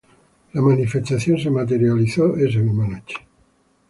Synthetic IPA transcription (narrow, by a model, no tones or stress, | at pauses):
lamanifest̪aθjonsemat̪̬eɾjaliθoezenumanot͡ʃe̥